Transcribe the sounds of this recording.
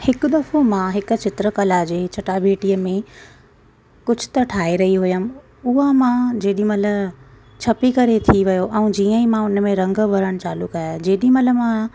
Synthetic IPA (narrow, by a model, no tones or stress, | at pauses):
hɪkʊ̆d̪ɐfomãɦɪkʊ̆t͡ɕɪt̪ɾəkɐlad͡ʑeːt͡ɕʰɐʈabʱeːʈiəmẽ | kʊd͡ʑʱʊ̥t̪ɐʈʰaːeɾɐɦiɦʊjəmɪ̆ | ʊɦamãd͡ʑeːɗĩmɐt̪ləb | t͡ɕʰɐpikɐɾet̪ʰiʋɐjoʔɛ̃d͡ʑiːə̃ĩmãʊnmẽɾɐ̃ŋɡbʱɐɾəɽ̃t͡ɕaːlʊkaːjad͡ʑeːɗĩmɐt̪ləbmã